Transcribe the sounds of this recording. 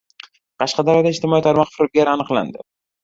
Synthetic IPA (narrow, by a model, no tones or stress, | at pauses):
qʰɑʃqɑd̪aɾɒd̪aɪʃt̪ʰɪmɒit̪ʰaɾmɒqfɪɾb̚ʲaɾanɨqlˠa̰nd̪ɪ